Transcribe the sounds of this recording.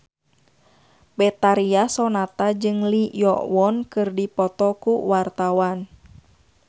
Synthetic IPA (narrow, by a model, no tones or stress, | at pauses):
bɛt̪aɾiasɔnat̪ad͡ʒɨŋlijɔ̰wɔnkɨrdipɔt̪ɔkuwart̪awan